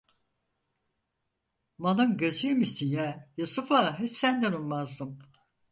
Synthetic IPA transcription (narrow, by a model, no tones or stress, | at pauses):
manɯnɟøzymisinjæjusufaɦesænd̪ɛnunˠmazd̪ɯm